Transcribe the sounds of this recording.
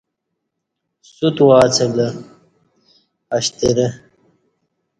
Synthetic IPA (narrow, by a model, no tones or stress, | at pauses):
sut̪waːt͡sʰelɐ | ɐɕt̪eɾe